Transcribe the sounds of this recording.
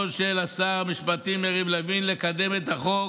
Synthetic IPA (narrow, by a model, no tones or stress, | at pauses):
oʃelasaʁmiʃpat̪imeʁiblavinlekad̪emet̪aχo